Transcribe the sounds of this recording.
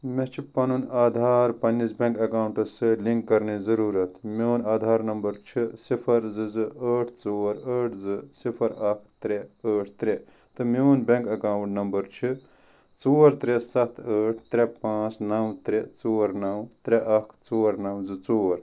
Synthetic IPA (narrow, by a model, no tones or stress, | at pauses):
met͡ʃʰipɐnunaːd̪ʱaːɾpɐnːisbʲẽŋkɐkaːwɳʈɐsɨliŋkːɐɾnizɐɾuːɾɐt̪meːnaːd̪ʱaːɾnɐmbɐɾt͡ʃʰisipʰɐɾzɨzɨəːʈʰt͡soːɾəːʈʰzɨsipʰɐɾɐkʰt̪ɾeəːʈʰt̪ɾe | t̪ɨmeonbʲeŋkɐkaːwɳʈnɐmbɐɾt͡ʃʰi | t͡soːɾt̪ɾesɐt̪ʰəːʈʰt̪ɾʲepãːt͡snɐwt̪ɾet͡soːɾnɐwt̪ɾeʔɐkʰt͡soːɾnɐwzɨt͡soːɾ